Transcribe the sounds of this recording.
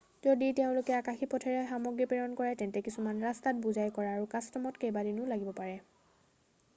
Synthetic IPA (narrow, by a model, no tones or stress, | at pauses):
zoditeʊ̃lʊkɛakaxipɔtʰɛɹɛxamɔɡɹipiɹɔnkɔɹɛtɛntɛkisumanɹastat̚buzajkɔɹaːɹukastɔmɔtkejbadinʊlaɡibɔpaɹɛ